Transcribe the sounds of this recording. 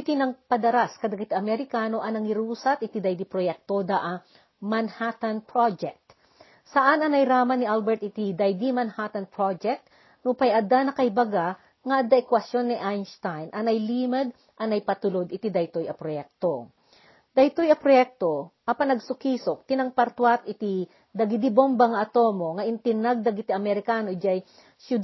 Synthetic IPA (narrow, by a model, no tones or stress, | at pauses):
ɪt̪inɐŋpɐd̪ɐɾaskɐd̪ɐɡɐt̪iʔɐmɛɾɪkaːno̞ʔɐnɐŋɪɾuːsɐt̪ʔɪt̪id̪ɐjd̪ipɾojɛk̚t̪od̪aʔɐ | mɐnhat̪ɐnpɹad͡ʒɛk̚t̪ | sɐʔanɐnɐjɾaːmɐnɪʔalbɛɹt̪̚ɪt̪id̪ɐjd̪imɐnhat̪ɐnpɹod͡ʒɛk̚t̪ | nʊpɐjʔɐd̪anɐkɐhjbɐɡa | ŋɐʔɐd̪aʔɪkwɐsjo̞nːɪʔajnst̪ajnʔɐnɐjliːmɐd̪̚ | ʔɐnɐjpɐt̪ʊlod̪ɪt̪id̪ɐjt̪ojɐpɾojɛk̚t̪o | d̪̥ɐjt̪ojɐpɾojɛk̚t̪oʔɐpɐnɐɡsʊkiːsok̚t̪ɪnɐŋpɐɾt̪wat̪ɪt̪i | d̪ɐɡid̪ibombɐŋɐʔɐt̪o̞mo̞ŋɐʔɪnt̪ɪnaɡ̚d̪ɐɡit̪iɐmɛɾɪkaːnod͡ʒaj | ʃʊ